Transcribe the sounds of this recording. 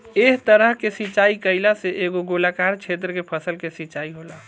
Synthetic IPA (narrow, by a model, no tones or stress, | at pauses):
eɦt̪əɾəɦkesit͡ʃaikəilaseʔeɡoɡolakaɾt͡ʃʰet̪̬ɾəkepʰəsəlkesit͡ʃaiɦola